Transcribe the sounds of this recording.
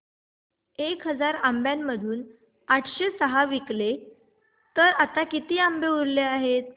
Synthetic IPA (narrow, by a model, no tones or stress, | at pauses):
ekɦəd͡zaɾambjamːəd̪ʱuːn | aʈʰɕesəɦaʋikle | t̪əɾat̪akit̪iːambeuɾleaɦet̪̚